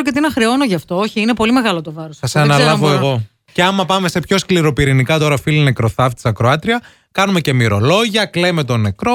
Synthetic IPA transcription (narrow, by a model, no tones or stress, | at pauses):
ɾocet̪inɐxɾeo̞no̞ʝɐft̪o̞oçiinepo̞lime̞ɣɐlo̞t̪o̞vɐɾosɐsɐnɐlɐvoeɣo̞ | ce̞ɐmɐpɐme̞se̞pço̞skliɾo̞piɾinikɐt̪o̞ɾɐfilinekɾo̞θɐft̪i̥sɐkɾoɐt̪ɾiɐ | kɐnume̞ce̞miɾo̞lo̞ʝɐkle̞me̞t̪o̞ne̞kɾo̞